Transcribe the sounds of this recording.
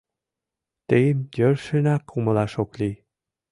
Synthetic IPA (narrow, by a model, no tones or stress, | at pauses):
t̪ejmjøɾʃɘ̆nækʰumɤ̆lɑʃoklʲi